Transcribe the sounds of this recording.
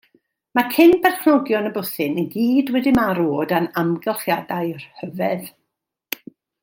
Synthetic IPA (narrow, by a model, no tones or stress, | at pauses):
makʰɪnbɛrχnɔɡjɔnəbʊθɨnənɡiːdwɛdɪmaɾoːdanamɡɛlˠχjadaɨjr̥həvɛð